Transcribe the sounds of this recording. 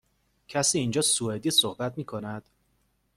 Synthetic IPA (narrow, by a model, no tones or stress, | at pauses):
cʰæsiːnd͡ʒɒːsued̪iːsohbæt̪̚miːkʰo̞næd̪̥